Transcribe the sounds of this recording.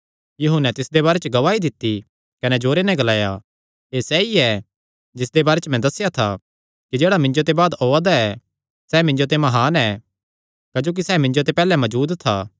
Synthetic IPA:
jɐɦʊnɛ̃t̪ɪsd̪ebaːɾet͡ʃɡɐʋaːid̪ɪt̪ːi | kɐnɛd͡ʒoːɾenɛ̃ɡɐlaːja | esɛiɛ | d͡ʒɪsd̪ebaːɾet͡ʃmɛ̃d̪ɐsːɪjat̪ʰa̰ | kid͡ʒeːɽamɪ̃ɲd͡ʒot̪ebaːd̪oːad̪aɛ | sɛːmɪ̃ɲd͡ʒot̪̬emɐɦaːnɛ | kɐd͡ʒoːk̬isɛːmɪ̃ɲd͡ʒot̪̬epɛːlɛmɐd͡ʒuːd̪t̪ʰa̰ː

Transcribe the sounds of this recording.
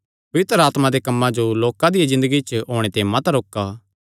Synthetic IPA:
pɐʋɪt̪ɾəaːt̪mãd̪ekɐmːãd͡ʒoloːkãd̪ɪjazɪ̃nd̪əɡit͡ʃəɦoːɽ̃et̪eːmãt̪aɾoːkaː

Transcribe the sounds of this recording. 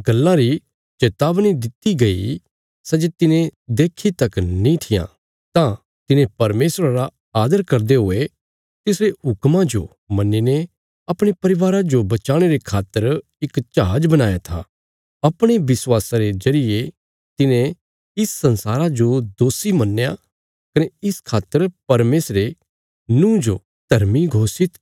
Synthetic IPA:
ɡɐlːãɾi | t͡ʃeːt̪aːʋñid̪ɪt̪iɡɐḭ | sɛːd͡ʒet̪ɪnẽd̪eːkʰit̪ɐknĩt̪ʰɪjã̰ | t̪ã | t̪ɪnẽpɐɾmeːsɾaɾa | aːd̪əɾkɐɾd̪eɦʊe | t̪ɪsɾeɦʊkmãd͡ʒo̰ | mɐnːine | ɐpɽ̃epɐɾɪʋaːɾad͡ʒobɐt͡ʃaːɽ̃eɾekʰaːt̪ːəɾ | ɪkt͡ʃaɦaːd͡ʒbɐnaːjat̪ʰa̰ | ɐpɽ̃ebɪswaːsaɾezɐɾɪje | t̪ɪnẽ | ɪsːɐ̃nsaːɾad͡ʒod̪oːsimɐnːja | kɐneɪskʰaːt̪ːəɾpɐɾmeːsɾe | nũːd͡ʒo | d̪̥ʱɐɾmiɡʱoːsɪt̪

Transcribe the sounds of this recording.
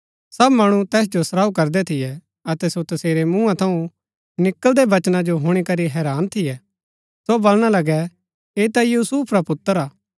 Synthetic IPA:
sɐbmɐɽ̃ut̪ɛːs̬d͡ʒosɾaːukɐɾd̪ɛt̪ʰɪjɛ | ɐt̪ɛsot̪ɐseːɾemũːãt̪ʰɐũ | nɪkːəld̪ebɐt͡ʃnad͡ʒoɦʊɽ̃ikɐɾiɦɛːɾaːnt̪ʰɪjɛ | sobolɽ̃alɐɡɛ | eːt̪ajuːsuːpʰɾapʊt̪ːəɾaː

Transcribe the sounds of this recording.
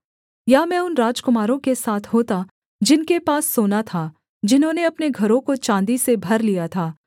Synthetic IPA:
jamɛ̃ːʊnɾaːd͡ʒkʊmaːɾõkesaːt̪ʰɦoːt̪a | d͡ʒɪnkepaːsːoːnat̪ʰa | d͡ʒɪnɦõneɐpneɡʱɐɾõkot͡ʃãːnd̪isebʱɐɾlijat̪ʰaː

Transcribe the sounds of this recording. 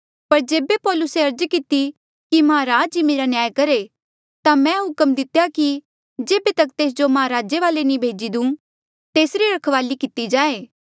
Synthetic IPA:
pɐɾd͡ʒeːbepɔːlʊseɐɾd͡ʒkɪt̪i | kimɐɦãɾaːd͡ʒimeːɾanjaːjkɐɾe | t̪amɛ̃ɦʊkəmd̪ɪt̪jaki | d͡ʒeːbet̪ɐkt̪eːs̬d͡ʒomɐɦaɾaːd͡ʒeʋaːlenĩbʱeːd͡ʒid̪ũː | t̪eːsɾiɾɐkʰʋaːlikɪt̪id͡ʒãːeː

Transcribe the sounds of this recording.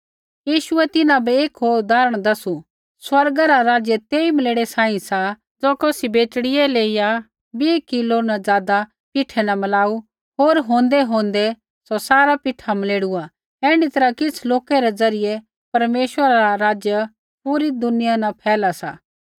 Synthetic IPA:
jiːʃʊɛt̪ɪnãbɛeːkɦoːd̪aːɾəɽ̃d̪ɐsu | swɐɾɡaɾaɾaːd͡ʒjət̪eːimɐleːɽɛsaːĩsa | d͡zoːkoːsibeːt͡ʃɽɪjɛleːija | biːkɪlonad͡zjaːd̪a | pɪʈʰɛnamɐlaːu | ɦoːɾɦõːnd̪ɛɦõːnd̪ɛ | sosaːɾapɪʈʰamɐleːɽua | ɛ̃ːɽ̃ɖit̪ɐɾakɪt͡sʰloːkɛɾɛd͡zɐɾɪje | pɐɾmeːʃwəɾaɾaɾaːd͡ʒjə | puːɾid̪ʊnɪjanapʰɛːlasa̰ː

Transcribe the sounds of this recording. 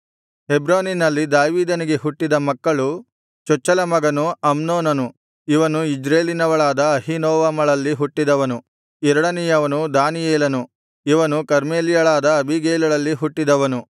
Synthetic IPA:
hebɾoːninɐlːid̪aːʋiːd̪ɐniɡeɦuʈːid̪ɐmɐkːɐɭu | t͡ʃɔt͡ʃːɐlɐmɐɡɐnuɐmnoːnɐnu | iʋɐnuid͡ʒɾeːlinɐʋɐɭaːd̪ɐːɦinoːʋamɐɭɐlːiɦuʈːid̪ɐʋɐnu | ɛɾɐɽɐnijɐʋɐnud̪aːnijeːlɐnu | iʋɐnukɐɾmeːlijɐɭaːd̪ɐːbʱiɡeːlɐɭɐlːiɦuʈːid̪ɐʋɐnu

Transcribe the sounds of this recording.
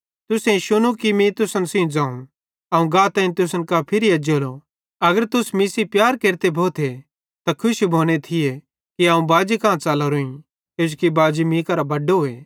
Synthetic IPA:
t̪ʊsẽĩʃʊñũkimĩt̪ʊsənsĩũd͡zãːũ | ɐũɡãːt̪ɛ̃ːĩt̪ʊsənkapʰɪɾiɐd͡ʒolo | ɐɡəɾt̪ʊsmiːsipjaːɾkeːɾt̪ebʱoːt̪ʰe | t̪akʰʊʃbʱoːñet̪ʰɪje | kiaːũbaːd͡ʒikãːt͡saːlaɾuĩ | ked͡ʒkibaːd͡ʒimĩːkɐɾabɐɖoɦe

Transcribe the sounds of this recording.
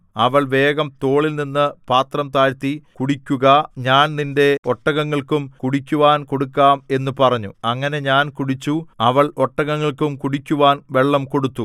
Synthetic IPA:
ɐʋɐɭʋe̞ːɡɐmt̪o̞ːɭilninːɨpaːt̪rɐmt̪aːɾt̪ːikuɽikʲːuɣɐɲaːnninde̞o̞ʈːɐɣɐŋːɐɭkumkuɽikʲːuʋaːnko̞ɽukːaːme̞nːupɐrɐɲːuɐŋːɐne̞ɲaːnkuɽit͡ɕːuɐʋɐɭo̞ʈːɐɣɐŋːɐɭkumkuɽikʲːuʋaːnʋe̞ɭːɐmko̞ɽut̪ːu

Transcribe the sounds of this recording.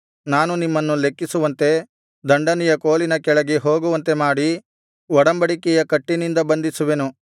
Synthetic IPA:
naːnunimːɐnːule̞kːisuʋɐnt̪e̞ | d̪ɐɳɖɐnɛjɐkoːlinɐkɛɭɐɡeɦoːɡuʋɐnt̪e̞maːɽi | ʋɔɽɐmbɐɽikɛjɐkɐʈːinind̪ɐbɐnd̪isuʋe̞nu

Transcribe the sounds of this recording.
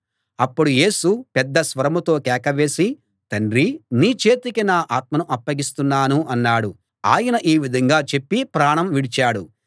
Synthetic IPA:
ɐpːuɽuje̞ːsupɛd̪ːɐsʋɐɾɐmut̪o̞ːkɛːkɐʋe̞ːsi | t̪ɐnɖɾiniːt͡ʃe̞ːt̪ikinaːʔaːt̪̚mɐnuʔɐpːɐɡist̪unːaːnuʔɐnːaːɽu | aːjɐnɐʔiːʋid̪ʱɐŋɡaːt͡ʃe̞pːipɾaːɳɐmʋiɽit͡ʃaːɽu

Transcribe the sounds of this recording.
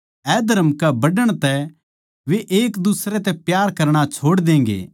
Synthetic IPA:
ɛːd̪əɾəmkɛbɐɖəɽ̃t̪ɛ | ʋeʔeːkd̪usɾɛt̪ɛpjaːɾkɐɾɽ̃at͡ʃʰoːɽd̪ẽːŋɡḛː

